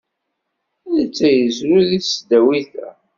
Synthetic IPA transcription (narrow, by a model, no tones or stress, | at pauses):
ðət͡sːæjəzɾuðiθsd̪æwiθæ̰